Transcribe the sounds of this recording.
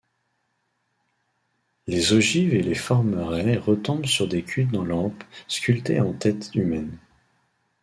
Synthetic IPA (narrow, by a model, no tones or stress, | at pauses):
lezɔʒivelefɔʁmʁɛʁət̪ɔ̃bsyʁd̪ekʲʰyd̪ːɑ̃lɑ̃pskʲylt̪eɑ̃t̪ɛt̪ymɛn